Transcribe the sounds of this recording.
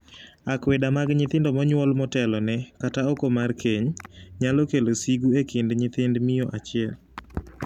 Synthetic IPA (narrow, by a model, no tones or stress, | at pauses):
akwedamaɡɲɪt̪ɪndɔmɔɲwɔlmɔtɛlɔnɛkataokomarkʰeɲɲalɔkelosiɡuekɪndɲɪt̪ɪndmɪjoʔat͡ʃɪɛl